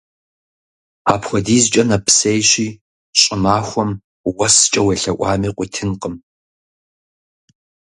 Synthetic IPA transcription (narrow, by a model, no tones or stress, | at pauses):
aːpxʷɔdiːzt͡ʃʼɐnɐpʰsejɕiː | ɕʼɪmaːxʷɔm | wɐst͡ʃʼɐweɬɐʔʷʼɑ̰ːmiːqʷʼiːtʰɨnqəm